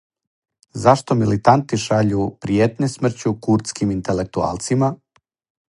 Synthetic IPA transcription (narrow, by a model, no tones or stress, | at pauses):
zaʃt̪o̞milit̪ant̪iʃaʎupɾijet̪ɲesmr̩t͡ɕukuɾt̪skimint̪elek̚t̪ua̰ːlˠt̪sima